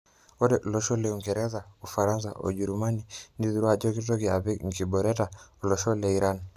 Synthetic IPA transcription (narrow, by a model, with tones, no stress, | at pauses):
ɔ˦dɛ˨ʔlɔ˨ʃɔ˦lɛuŋɡɛ˨ɾɛ˦za˨u˨fa˨ɾa˦nsa̰˨ʔo̰˨d͡ʒu˨ɾuma˦nini˦ðu˨ɾu˦a˨d͡ʒɔ˦ki˦tɔ˦kia˨βɛ˦ŋki˨bɔɾɛtaɔ˨lɔ˨ʃɔ˦lɛiɾʔan